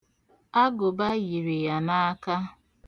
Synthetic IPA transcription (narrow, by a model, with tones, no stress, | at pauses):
a˦ɡʊ˨ba˦ɣi˨ɾi˨ja˨na˦a˦ka˦